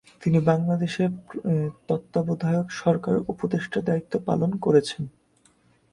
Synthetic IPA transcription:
t̪inibaŋlad̪eʃeɾt̪ɔt̪ːabod̪ʱajokʃɔɾkaɾupod̪eʃʈʰad̪ait̪ːopa̰lonkoɾet͡ɕʰen

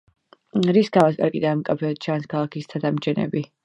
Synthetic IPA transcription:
ɾisɡavaskʼa̰ɾkʼid̪amkʼapʰɛɔt̪̚t͡ʃʰanskʰalˠakʰist̪ʰad̪amt͡ʃʰɛnɛ̰bi

